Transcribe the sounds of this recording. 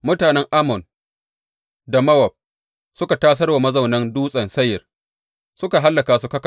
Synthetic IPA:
mʊ˦taː˨nɛ˦ŋʔa˦mɔ˨n | da˨mɐ˦wɐ˨b̚ | sʊ˦ka˨taː˦s̬ɐ˦rwa˨mɐ˦zɐ˨wnɐ˦nduː˦sʼɐ˨nsɐ˦jːɐ˨r | sʊ˦ka˨ɦa˦lːɐ˨kaː˨s̬u˦kɐ˦k

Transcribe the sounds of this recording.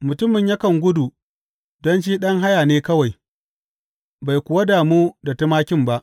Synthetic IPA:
mʊ˨tʊ˦mɪ˨ɲja˦kɐ˨ŋɡʷʊ˦du˨ | dɔ˦nt͡ʃiː˦ɗɐ˦ŋɦa˦jaː˨neː˦kɐ˦wa˨j | ba˨jkʷʊ˨wa˦daː˨muː˦da˨tɪ˦maː˦kʲɪ˦mba˦ʔ

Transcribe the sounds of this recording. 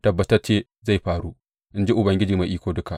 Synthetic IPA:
tɐ˨bːɐ˨tɐ˦rt͡ʃeː˦ | za˦˨jɸaː˨ɽu˦ | ʔɪ˦nd͡ʒi˦ʔʊ˨bɐ˨ŋɡʲɪ˦d͡ʒiː˨ma˨ʔiː˦kʷoː˨dʊ˦ka˨ʔ

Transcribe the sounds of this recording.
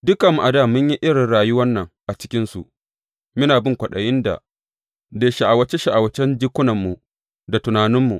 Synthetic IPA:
dʊ˦kɐ˨m˨ʔa˨daː˦˨mʊ˦ɲji˦ʔɪ˦ɽɪ˨nɽaː˨jʊ˦wɐ˦nːɐ˨ŋʔa˨t͡ʃɪ̥˦kʲɪ˦nsu˨ʔ | mɪ˦naː˨bɪ˦ŋkʷɐ˨ɗɐ˨jɪ˦nda̰˨ | deː˨ʃa˨ʔa˨wɐ˦t͡ʃe˦ʃa˨ʔa˨wɐ˨t͡ʃɛ˦nd͡ʒɪ˦kʷʊ˦nɐ˨mːu˨ | da˨tʊ˨naː˨nɪ˦mːu˨ʔ

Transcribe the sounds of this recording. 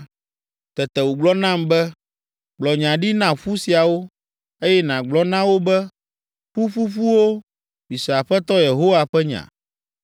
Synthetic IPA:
t̪ɛ˨t̪ɛ˨wo˨ɡ͡blɔ˦nã˦mbɛ˦ | ɡ͡blɔ˨ɲã˨ɖi˦nã˨ɸu˦si˨a˨wo˦ | e˦jɛ˦nã˨ɡ͡blɔ˦nã˦wo˦bɛ˦ | ɸu˦ɸu˦ɸu˦wo˦ | mi˨sa˨ɸɛ˦t̪ɔ˦je˨ɦo˦wa˨ɸɛ˦ɲã̰˨

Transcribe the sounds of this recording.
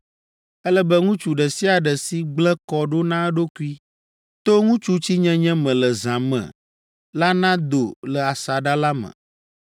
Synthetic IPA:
ɛ˦lɛ˦bə˦ŋũ˦t͡ʃu˨ɖɛ˨si˦a˨ɖɛ˨si˦ɡ͡blɛ˦kɔ˦ɖo˦nã˦ɖo˦ku˦i˦ | t̪o˦ŋũ˦t͡ʃu˦t͡ɕi˦ɲɛ̃˦ɲɛ̃˦mɛ̃˨lə˨zã˨mɛ̰̃˨ | la˦nã˦d̪o˨lə˨a˨sa˨ɖa˦la˦mɛ̰̃˨

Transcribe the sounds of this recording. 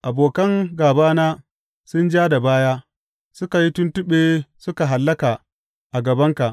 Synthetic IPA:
ʔa˨boː˨kɐ˦ŋɡaː˨baː˦naː˦ | sʊ˦nd͡ʒaː˦da˨baː˦jaː˦ | sʊ˦ka˨ji˦tʊ˦ntʊ˦ɓeː˨sʊ˦ka˨ɦa˨lːɐ˦ka˨ | ʔa˨ɡɐ˨bɐ˦ŋka˨ʔ

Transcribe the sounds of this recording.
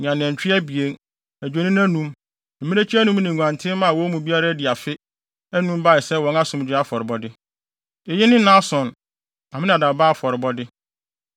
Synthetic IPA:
ɲã˨n˨ɛ̃˨ɲ˨t͡ɕᶣɪ˦æ˦bi˨e˦n | æ˨d͡ʑᶣe˨nĩ˦n˦æ̃˦nũ˦m | m̩˨mĩ˦ne˦t͡ɕʰi˦æ˦nũ˦m˦nɪ̃˨ŋ˨ɡʷã˨ntʰɪ̃˦mã˦˨wɔ˦mũ˨bi˦a˦ɾa˦dɪ˨a˨fɪ˦ | æ˦nũ˦m˦ba˦˨ɪ˨sɛ˦˨wɔ̃˦na˦sʊ̃˨md͡ʑᶣɪ˦a˦fɔ˨ɾɪ˨bɔ˦dɪ˦ | e˨jɪ˦nɪ̃˦nã˦sɔ̃˨n | a˨mɪ̃˦n˨a˨da˨ba˦a˦˨fɔ˨ɾɪ˨bɔ˦dɪ˦

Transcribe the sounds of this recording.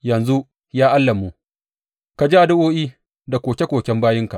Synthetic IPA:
jɐ˨nzu˦ʔ | jaː˦ʔa˦lːɐ˨mːu˦ | ka˨d͡ʒi˦ʔa˨dʊ˦ʔoː˦ʔiː˦ | da˨kʷoː˨kʲe˦kʷoː˨kʲɛ˦mbaː˦jɪ˦ŋka˨ʔ

